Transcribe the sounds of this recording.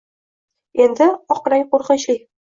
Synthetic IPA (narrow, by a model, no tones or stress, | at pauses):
end̪ɪɒqɾajqoɾqəʃlɪj